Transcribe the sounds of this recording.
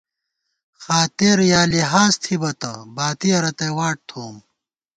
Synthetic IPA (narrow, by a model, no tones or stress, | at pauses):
xaːt̪iɾjaːliɦaːzt̪ʰibɐt̪ɐ̰baːt̪iɐɾɐt̪ɐjwaːʈ̚t̪ʰoːm